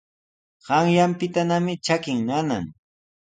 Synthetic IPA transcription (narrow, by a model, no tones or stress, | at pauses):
ɢ̥ɑŋjampɪt̪anamɪt͡ʃakɪŋmana̰ŋ